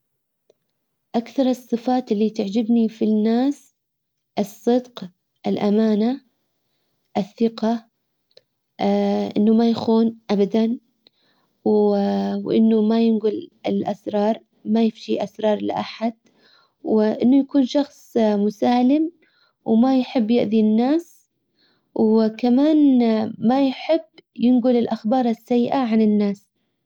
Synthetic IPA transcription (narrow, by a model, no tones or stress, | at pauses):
ʔakθɑɾˤɨsˤːɨfaːt̪ɪlːit̪ɪʕd͡ʒɪbnifinːaːs | ʔɨsˤːɨd̪q | ʔɪlʔamaːna | ʔɪθːɪqɑ | ʔɪnːumajaxuːnʔabad̪an | wwʔɪ̰nːumajɪnɡʊlɪlʔasɾˤɑːɾˤ | majɪfʃiʔasɾˤɑːɾˤlɪ̰ʔaħad̪̥̚ | wɪʔɪnːʊjakuːnʃɑxsˤmʊsaːlɪm | wmajħɪbːjɪʔd̪inːaːs | wkamaːnmajħɪbːjɪnɡʊlɪlʔaxbɑːɾˤɪsːajːʔaʕanɪnːaːs